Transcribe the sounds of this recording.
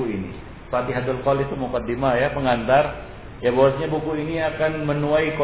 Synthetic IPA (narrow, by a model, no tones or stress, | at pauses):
uinḭ | fat̪iɦad̪alkɔlit̪umukad̪imajapəŋant̪ar | jabawasɲabukuiniakanmənuaiko